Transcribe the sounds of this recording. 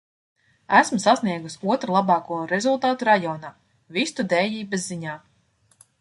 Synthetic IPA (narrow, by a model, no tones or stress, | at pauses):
æsmusasniɛɡusʲuɔt̪ɾulˠabɑːkuɔɾezulˠt̪aːt̪uɾajɔːnaː | vist̪ud̪ɛːjiːbɛzːiɲaː